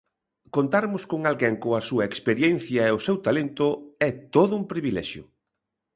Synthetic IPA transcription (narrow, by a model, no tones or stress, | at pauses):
kont̪aɾmʊskoŋalɡɛŋkoɐsuɐekspeɾjen̟θjɐeʊsewt̪alent̪ʊɛt̪oðʊumpɾiβilɛ̰ʃjʊ̰